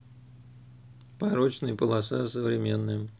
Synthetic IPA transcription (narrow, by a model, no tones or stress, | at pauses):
pɐɾot͡ɕnɨjəpəlˠɐsasəvɾʲɪmʲenːɨj